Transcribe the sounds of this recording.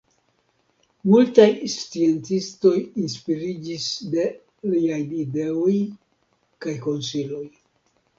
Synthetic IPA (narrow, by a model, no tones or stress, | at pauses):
multajst͡sie̞ntisto̞jinspiɾid͡ʒisde̞ | liajlide̞oj | kajko̞nsilo̞j